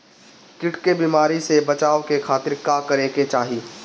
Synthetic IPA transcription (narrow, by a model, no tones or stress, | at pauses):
kɪʈkebiːmaːɾisebɐt͡ʃaːwkekʰaːt̪ɪɾkaːkɐɾeːket͡ʃaːɦiː